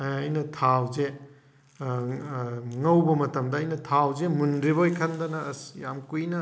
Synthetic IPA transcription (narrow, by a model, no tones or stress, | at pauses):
ɐjnɐtʰawze | ŋɐwbɐmɐtɐmdɐːjnɐtʰawzemundɾibɐojkʰɐndɐnɐsjamkujnɐ